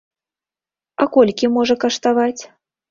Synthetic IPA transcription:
akɔlʲkʲimɔʐɐkɐʂt̪avat͡sʲ

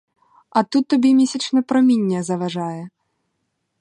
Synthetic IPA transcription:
ɐt̪ut̪ːɐbʲimʲɛsʲit͡ʂnɐpɾɐmʲinʲːɛzɐvaʐajɛ

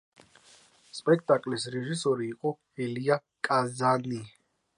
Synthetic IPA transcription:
spʼɛk̚ʰt̪ʼakʼlisɾɛʒisɔɾiːqʼɔ | ɛlia | kʼazani

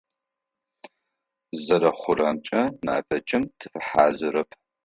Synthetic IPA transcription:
zɐɾɐχʷʊɾɐmt͡ʃʼɐna̰ːfɐt͡ʃʼɪmtʰɨfɨħaːzɨɾɐpʰ

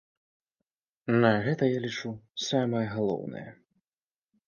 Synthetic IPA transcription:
nɐɣɛt̪ɐjalʲit͡ʂusamɐjɐɣalˠɔ̰wnɐ̰jɐ̰

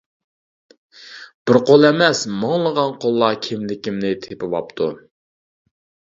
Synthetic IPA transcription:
b̥ɪɾqolˠɛmɛsmɑŋlˠəʁɑnqʰolˠːɑkʲʰɪmlɪkʲimnɪt̪ʰepɪvɑ̰p̚t̪ʰṵ

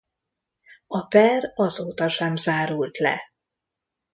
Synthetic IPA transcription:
ɒpɛrɒzoːt̪ɒʃɛmzaːɾult̪lɛ̰

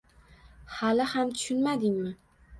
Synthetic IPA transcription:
halɪhamt̪ʰʊ̥ʃʊnmad̪ɪŋmɪ

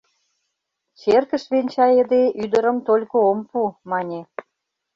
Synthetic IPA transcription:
t͡ɕerkə̆ʃβenʲt͡ɕɑjĕd̪eʔyd̪əɾə̆mt̪olʲkoompumɑnʲe

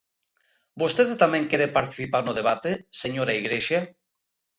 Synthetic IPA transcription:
bost̪eðet̪amẽŋkeɾepaɾt̪i̥θipaɾnoð̞eβat̪eseɲoɾaiɣɾeʃa

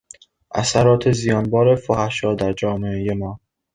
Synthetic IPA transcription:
ʔæ̰sæɾɒːt̪ʰezijɒːnbɒːɾefohæʃɒːd̪æɾd͡ʒɒːmeejemɒː

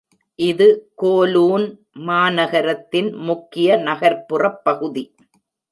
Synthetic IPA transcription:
ʔɪðɯkoːluːn | maːnɐɣɐɾɐt̪ːɪnmʊkːɪjɐnɐɣɐɾpːɯrɐpːɐɣɯði

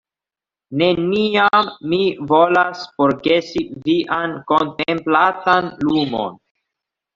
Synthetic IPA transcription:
ne̞niamːivo̞lasfoɾɡesiviʔanko̞ntemplatanlumo̞̰n

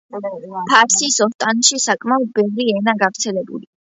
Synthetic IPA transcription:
pʰaɾsisɔst̪ʼanʃisakʼmaɔd̪̚bɛvɾiɛnaɡavɾt̪sʰɛlɛbṵli

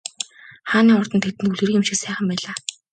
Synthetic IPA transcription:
χaːniːɔrt̪ɞ̆nt̪ʰet̪ɘ̆ntuɮɘ̆ɾĭːkjɪmʃɪ̆ksæːχə̆mpæːɮaː

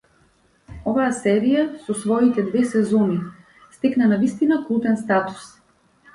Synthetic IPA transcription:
ɔvaasɛɾijasɔsvɔit̪ɛd̪vɛsɛzɔni | st̪ɛknanavist̪inakɾˠupɛnst̪at̪u̥s

